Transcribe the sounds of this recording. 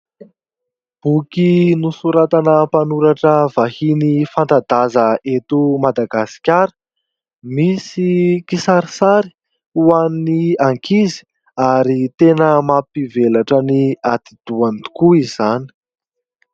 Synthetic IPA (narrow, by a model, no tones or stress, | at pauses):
b̥ukinusuɾat̪anəpanuɾaʈ͡ʂəvahinifant̪ad̪azəet̪umad̪aɡasi̥kʲaɾə̥ | misikisaɾisaɾi̥ | uanniaŋkizi̥ | aɾit̪enəmapivelaʈ͡ʂəniat̪id̪̥uant̪u̥kuiz̥ani̥